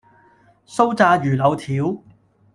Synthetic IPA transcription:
so˥wt͡saː˧jyː˨˩lɐ˨˧wt̪ʰiː˨˥w

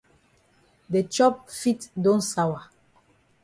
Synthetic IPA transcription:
de˨t͡ʃɔ˦p̚fi˦tdɔ̃˦nsa˦wa˨

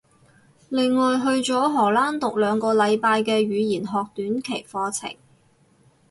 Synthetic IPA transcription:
lɪ˨˧ŋːɔː˨jɦɵ˧ɥt͡ʃɔː˨˥ɦɔː˨˩laː˥nt̪ʊ˨k̚lœː˨˧ŋkɔː˧lɐ˨˧jpaː˧jkɛː˧ɥyː˨˧jiː˨˩nɦɔː˨k̚t̪yː˨˥nkʰe˨˩jfɔː˧t͡sʰɪ̰˨˩ŋ

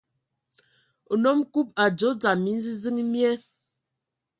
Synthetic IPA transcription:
o˨nɔ˦mku˦p̚a˨d͡zo˨˦d͡za˨mi˨˦n̩˦zi˦zi˦ŋi˦mjɛ˦

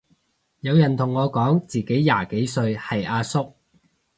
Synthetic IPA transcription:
jɐ˨˧wjɐ˨˩nt̪ʰʊ˨˩ŋːɔː˨˧kɔː˨˥ŋt͡siː˨˩ke˨˥jːaː˨ke˨˥jsɵ˧ɥhɐ˨jʔaː˧sʊ˥k̚

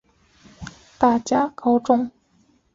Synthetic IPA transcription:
t̪a˥˩t͡ɕja˥kɑ˥ʊʈ͡ʂʊ˥˩ŋ

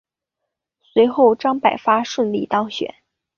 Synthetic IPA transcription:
swe˧˥ɪxo˥˩ʊʈ͡ʂɑ˥ŋpa˨˩ɪfa˥ʂwə˥˧nli˥˩t̪ɑ˥ŋɕɥɛ̰˨˩˦n

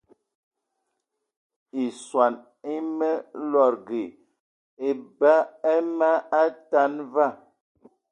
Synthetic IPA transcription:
i˨swa˨n | i˦mə˦lɔ˨ɾɡe˨ | e˨ba˦ɛ˦ma˦a˦ta˦nva˦˨

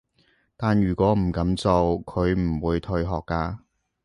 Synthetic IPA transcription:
t̪aː˨njyː˨˩kʷwɔː˨˥m̩˨˩kɐ˨˥mt͡so˨wkʰɵ˨˧ɥm̩˨˩wuː˨˧jt̪ʰɵ˧ɥɦɔː˨˩kːaː˧

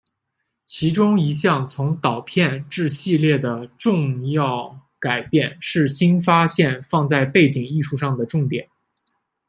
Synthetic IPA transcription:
t͡ɕʰi˧˥ʈ͡ʂʊ˥ŋi˧˥ɕjɑ˥˩ŋt͡sʰʊ˧˥ŋt̪ɑ˨˩ʊpʰjɛ˥˧nʈ͡ʂɻ̩˥˧ɕi˥˧ljɛ˥˩d̪ə˩ʈ͡ʂʊ˥˧ŋjɑ˥˩ʊ | ka˨˩ɪpjɛ˥˧nʂɻ̩˥˩ɕi˥nfa˥ɕjɛ˥˧nfɑ˥˧ŋt͡sa˥˧ɪpe˥˩ɪt͡ɕi˨˩ŋi˥˧ʂu˥˧ʂɑ˥˩ŋd̪ə˩ʈ͡ʂʊ˥˩ŋt̪jɛ̰˨˩˦n

